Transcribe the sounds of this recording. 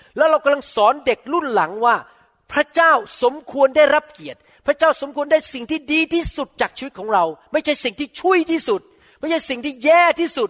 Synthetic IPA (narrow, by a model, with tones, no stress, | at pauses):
lɛː˦˥wɾa˧wka˧mla˧ŋsɔː˩˦nde˨˩k̚lu˥˩nla˩˦ŋwaː˥˩ | pʰɾa˦˥t͡ɕaː˥˩wso˩˦mkʰu˧əndaː˥˩jɾa˦˥p̚ki˨˩ət̪̚ | pʰɾa˦˥t͡ɕaː˥˩wso˩˦mkʰu˧əndaː˥˩jsi˨˩ŋt̪ʰiː˥˩diː˧t̪ʰiː˥˩su˨˩t̪̚t͡ɕaː˨˩k̚t͡ɕʰiː˧wt̪̚kʰːŋɾa˧wma˥˩jt͡ɕʰa˥˩jsi˨˩ŋt̪ʰiː˥˩t͡ɕʰu˥˩əjt̪ʰiː˥˩su˨˩t̪̚ | ma˥˩jt͡ɕʰa˥˩jsi˨˩ŋt̪ʰiː˥˩jɛː˥˩t̪ʰiː˥˩su˨˩t̪̚